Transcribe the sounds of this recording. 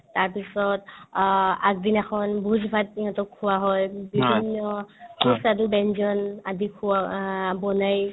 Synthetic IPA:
taɹpisɔt | ak̚dinɛkʰɔnbuzbʱatːiŋatɔkʰːuwaɦɔjbibʱinːɔkʰusadubɛnd͡ʒɔnadikʰuabɔnaj

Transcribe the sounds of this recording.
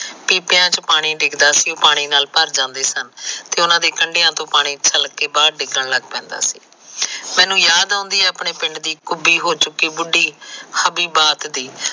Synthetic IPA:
piːpjãːt͡ʃəpaːɽ̃iːɖɪkd̪aːsioːpaːɽ̃iːnaːlpəɾd͡ʒãːnd̪eːsənt̪eːʊnãːd̪eːkəɳɖeːãːt̪õːpaːɽ̃iːt͡ʃəlkeːbaːɾɖɪɡəɳləɡpɛ̃ːnd̪a̰ːsiː | mɛ̃ːnũːjaːd̪ãːnd̪iːɛːəpɳeːpɪ̃ɳɖd̪iːkʊbiːɦoːt͡ʃʊkːiːbʊɖiːhəbiːbaːt̪d̪iː

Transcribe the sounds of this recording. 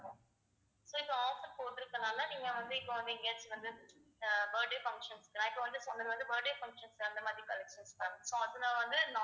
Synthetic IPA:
õ | soːɪpːɐ̃aːfɐɾpoːʈːɪɾɯkːɐnaːlɐniːŋɡɐʋɐnd̪ɯɪpːɐ̃ʋɐnd̪ɯɪŋɡeːsʋɐnd̪ɯ | bɐːɾɖeːfɐŋkʂɐnskːɾãːɪpːɐ̃ʋɐnd̪ɯsɔnːɐðɯʋɐnd̪ɯbɐːɾɖeːfɐŋkʂɐnsɐnd̪ɐmaːðɾikɐlɛkʂɐnsk̪aːnsoːɐðɯnãːʋɐnd̪ɯna

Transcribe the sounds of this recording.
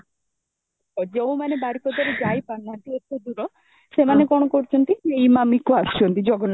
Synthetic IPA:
ɔd͡ʒeũmanebaɾikʰɔd̪aɾed͡ʒajpanlant̪iet̪ːed̪uɾɔ | semanekɔɽ̃ɔkɔɾut͡ʃʰɔnt̪ieimamikuast͡ʃʰɔnt̪id͡ʒɔɡɔn

